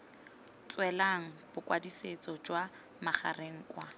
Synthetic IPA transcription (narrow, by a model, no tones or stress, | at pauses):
t͡swɛlaŋ̩b̥ʊkwadiset͡sʼɔd͡ʒwa | maχa̰reŋ̩kwa